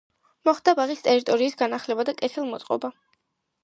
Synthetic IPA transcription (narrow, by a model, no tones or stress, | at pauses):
mɔχd̪abaʁist̪ʼɛɾit̪ʼɔɾiːsɡanaχlɛbad̪akʼɛt̪ʰɛlˠmɔt̪sʼqʼɔ̰ba